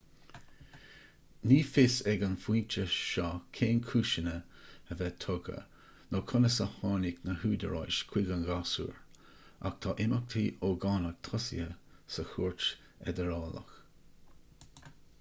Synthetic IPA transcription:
niːfɪsɛɡənfiːnt͡ʃəʃɑːkʰeːnkʰuːʃənəəvɛt̪ʰoɡə̰ | nokʰʊnəsəhɑːnɪknəhuːd̪əɹa̰jʃkʰw̥ɪɡənɡasṵːɹ | a̰kt̪ʰɑːʔɪmək̚t̪ʰiːoɡɑːnək̚t̪ʰɔsḭəsəxuːɹt͡ʃ | ɛ̰d̪əɾɑːlə̰x

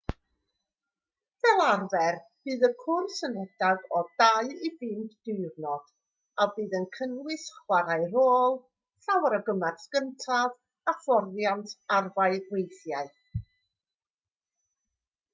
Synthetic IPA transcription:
vɛlˠarvɛrb̥ɨːðəkʰʊrsənɛd̥aɡɔdaɨivɨːndd̥ʊɨrnɔd̥ | abɨːðənkʰənwɪsχwaɾaɨɾoːlˠ | ɬawəɾəɡəmarskəntʰað | afɔrjantʰarvaɨwejθjaɨ

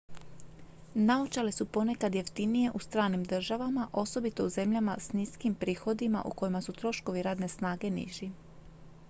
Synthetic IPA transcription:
naot͡ʃalisupo̞nekad̪je̞ft̪inije̞ʔust̪ɾaːnimd̪r̩ʒaʋamaʔo̞so̞bit̪o̞uze̞mʎamasniskimpɾiːxo̞d̪ima̰ʔṵko̞jimasut̪ɾo̞ʃko̞ʋiɾaːd̪ne̞snaːɡe̞nḭʒi

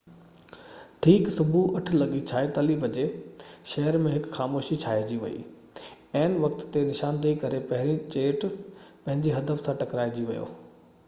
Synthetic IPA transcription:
ʈʰiːksʊbʱuʔɐʈʰʊ̆lɐɠit͡ɕʰaːet̪ɐliːbɐd͡ʑeʃɐɦəɾmẽɦɪkxaːmoːʃit͡ɕʰaːed͡ʑiʋɐ̰ḭː | ɐɪnʋɐkt̪t̪ːenɪʃaːnd̪əikɐɾepɐɦɪɾĩt͡ɕeːʈpɐ̃ɦɪ̃ɲd͡ʑiɦɐd̪əfsãʈɐkɾaːed͡ʑiʋɐ̰jo̰ː

